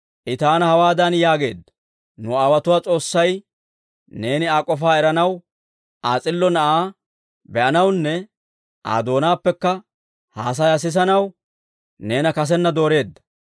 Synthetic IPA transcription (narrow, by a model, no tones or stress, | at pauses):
ʔɪt̪aːnɐhɐwaːd̪ɐnjaːɡe̞̰ːd̪ːɐ̥ | nʊaːwɐt̪ʊwaːt͡sʼo̞ːsːɐj | ne̞ːnɪaːkʼːɔfaːɛɾɐnɐw | ʔaːt͡sʼɪlːɔnɐʔaː | bɛʔɐnɐwnːɛ | ʔa̰ːd̪o̞ːnaːpːɛkːɐ | haːs̬ɐjas̬ɪs̬ɐnɐw | ne̞ːnɐkɐs̬ɛnːɐd̪o̞ːɾe̞ːd̪ːɐ̥